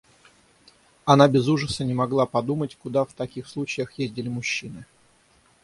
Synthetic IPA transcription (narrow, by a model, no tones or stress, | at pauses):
ɐnabʲɪzuʐəsənʲɪmɐɡlˠapɐd̪umətʲkʊd̪aft̪ɐkʲixslˠut͡ɕɪjəxjezʲdʲɪlʲɪmʊɕːinɨ